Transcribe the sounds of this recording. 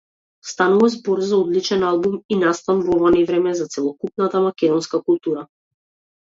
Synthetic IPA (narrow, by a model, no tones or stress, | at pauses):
st̪anuvazbɔɾzaɔd̪lit͡ʃɛnalˠbuminast̪anvɔvanɛvɾɛmɛzat̪sɛlˠɔkupnat̪amakɛd̪ɔnskakulˠt̪uɾa